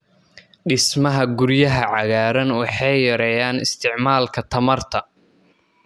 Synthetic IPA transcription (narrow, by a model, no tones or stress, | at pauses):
ɖɪsmɐɦɐɡʊɾjɐɦɐʕɑɣaːɾɐnwɑħɑjjɐɾɛjaːnɪst̪ʰɪʕmaːlkʰɐt̪ʰɐmɐrt̪ʰɐ